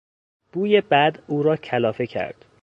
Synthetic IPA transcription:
b̥uːjebæd̪uːɾɒːcʰælɒːfe̞cʰæ̰ɾd̪̥

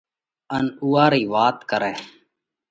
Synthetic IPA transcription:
ənuːaːɾiːʋaːt̪kəɾɛː

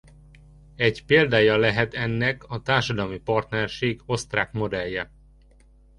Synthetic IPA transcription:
ɛɟpeːld̪aːjɒlɛɦɛt̪ɛnːɛkɒt̪aːrʃɒd̪ɒlmipɒrt̪nɛrʃeːɡo̞st̪raːkmo̞d̪ɛjːɛ

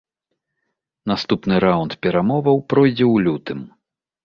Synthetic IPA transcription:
nast̪upnɨɾawnt̪pʲɛɾamɔvɐwpɾɔjd͡zʲɛwlʲut̪ɨm

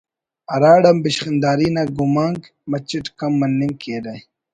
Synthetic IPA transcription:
ɐɾaːɽɐmbiɕχind̪aːɾiːnaɡumaːŋɡ | mɐt͡ɕiʈkɐmːɐnːiŋɡkeːɾɐj

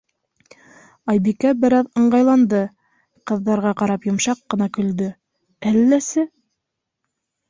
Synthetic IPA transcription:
ɑjbikæbɘ̆ɾɑðɤ̆ɴɢɑjlˠɑnd̪ɤ | qɤ̆ðːɑɾʁɑqɑɾɑpjŏmʃɑqːɤ̆nɑkɵ̆ld̪ɵ | ælːæsɘ

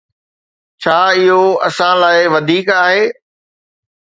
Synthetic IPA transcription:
t͡ɕʰaːɪɦoɐsãlaːɪʋɐd̪ʱiːkaːɦeː

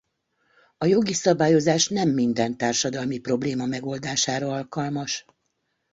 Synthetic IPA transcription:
ɒjo̞ɡisɒbaːjo̞zaːʃnɛmːind̪ɛnt̪aːrʃɒd̪ɒlmipro̞bleːmɒmɛɡo̞ld̪aːʃaːɾɒɒlkɒlmɒʃ

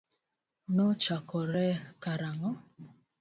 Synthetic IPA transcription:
not͡ʃakɔɾɛkaɾaŋɔ

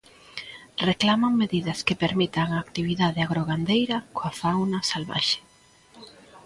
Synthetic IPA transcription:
reklamaŋmeðiðɐskepeɾmit̪aŋaːkt̪iβiðaðɪaɣɾoɣand̪ejɾɐkoafawnɐsalβa̰ʃe̥

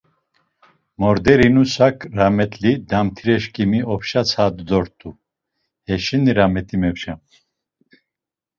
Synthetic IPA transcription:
mɔɾd̪ɛɾinusakʰʼɾamɛt̪ʼlid̪amt̪ʰiɾɛʃkʼimiɔpʰʃat͡sʰad̪d̪ɔɾt̪ʼu | hɛʃɛniɾamɛt̪ʰʼimɛpʃa

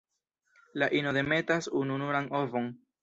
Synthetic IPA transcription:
laʔinod̪e̞me̞tasununuɾaŋo̞vo̞ŋ

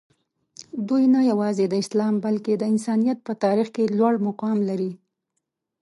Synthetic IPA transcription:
d̪ujnajawɑzed̪əɪslɑmbalked̪əɪnsɑnijat̪̚pət̪ɑɾixkelwaɽmʊqɑmlaɾi

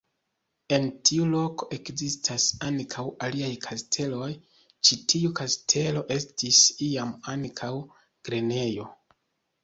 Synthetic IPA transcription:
e̞ntʰiulo̞ko̞ʔe̞kzistʰasaŋkʰawaliajkʰastʰe̞lo̞j | t͡ʃitʰiukastʰe̞lo̞ʔe̞stisiamaŋkʰaw | ɡ̥ɾe̞ne̞jo̞

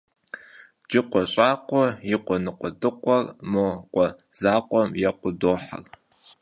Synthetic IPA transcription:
d͡ʒɪqʷɔɕʼaːqʷɔjɪqʷɔnɨqʷʼɔdɨqʷʼɔrmoqʷʼɔ | z̥aːqʷʼɔmjɛqʷʊdoːħa̰r

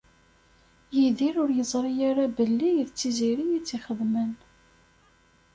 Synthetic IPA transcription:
jiðiɾʊɾjəzˤɾˤijaɾabəlːijðt͡sːiziɾijit͡sːiχəðmən

